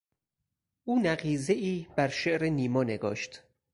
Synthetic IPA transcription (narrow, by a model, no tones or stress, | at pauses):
ʔuːnæɣiːzeʔiːb̥æɾʃeʔɾeniːmɒːne̞ɡɒːʃt̪